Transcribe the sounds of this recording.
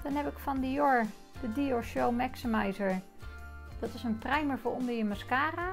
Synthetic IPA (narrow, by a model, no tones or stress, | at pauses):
d̥ɔnhɛpɪkfɔndəjoɹ | dədioʃowmɛksəmɛjzəɹ | d̥ɔtɪsənprɛjməɹvʊːʔondəɹjəmaskaːra